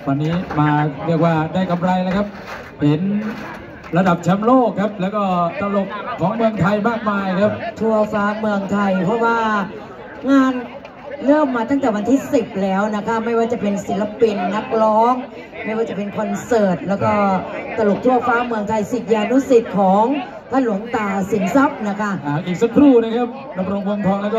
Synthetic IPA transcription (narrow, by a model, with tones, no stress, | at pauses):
wa˧nːiː˦˥maː˧ɾi˥˩k̚waː˥˩daː˥˩jka˧mɾa˧jla˦˥kʰa˦˥p̚ | he˩˦n | ɾa˧da˨˩p̚t͡ɕʰa˦˥mloː˥˩kʰːa˦˥p̚lɛː˦˥wkɔː˥˩t̪ɾa˧lo˨˩k̚ʰːɔː˩˦ŋmɯ˧əŋt̪ʰa˧jmaː˥˩k̚maː˧jkʰa˦˥p̚t̪ʰu˧˩ɐfaː˦˥mɯ˧əŋt̪ʰa˧jpʰɾɔ˦˥waː˥˩ | ŋaː˧n | lɤː˥˩mːaː˧t̪a˥˩ŋt̪ɛː˨˩wa˧nt̪ʰiː˥˩si˨˩p̚lɛː˦˥wna˦˥kʰa˦˥ma˥˩jwaː˥˩t͡ɕa˨˩pe˧nsi˩˦la˧pi˧nːa˦˥k̚lɔː˦˥ŋ | ma˥˩jwaː˥˩t͡ɕa˨˩pe˧nkʰɔ˧nsɤː˨˩t̪̚lɛː˦˥wkɔː˥˩t̪ɾa˧lo˨˩k̚t̪ʰu˥˩ɐfaː˦˥mɯ˧ŋt̪ʰa˧jsi˨˩t̪̚jaː˧nu˦˥si˨˩t̪̚kʰɔː˩˦ŋ | t̪ʰaː˥˩nlu˩˦əŋt̪aː˨˩si˨˩˦nsa˦˥p̚na˦˥kʰa˦˥˩ʔaː˩˦ʔiː˨˩k̚sa˧kʰɾuː˥˩na˥˩kʰa˦˥p̚ | na˧˦˥kɾo˧ŋbo˧ŋt̪ʰɔː˧ŋlɛː˦˥kɔː˥˩